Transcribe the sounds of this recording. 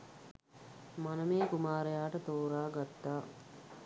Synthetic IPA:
manəmeːkumaːɾejaːʈət̪oːɾaːɡat̪ːaː

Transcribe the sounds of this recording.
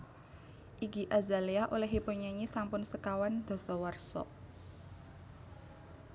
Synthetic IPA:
ʔiɡi̤ʔazaliaʔolɛɦipuɲaɲisampʊnsəkawand̪̥ɔ̤sɔwərsɔ̰

